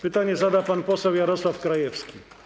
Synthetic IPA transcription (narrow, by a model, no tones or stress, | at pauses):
pɨt̪anʲjɛzad̪apanpɔsɛwjaɾɔslˠafkɾajɛfskʲi